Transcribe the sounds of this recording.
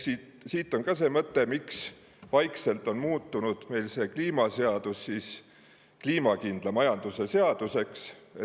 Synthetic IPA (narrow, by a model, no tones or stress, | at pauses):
sit̪ | siːt̪ːˑo̞nkɑse̞ːmɤt̪ːˑe̞miks | vɑjkse̞lt̪ˑo̞nmuːt̪ˑːunud̪̥me̞jlse̞ːkliːmɑse̞ɑd̪̥usːiːs | kliːmɑkind̪̥lɑmɑjɑnd̪̥use̞se̞ɑd̪̥use̞kse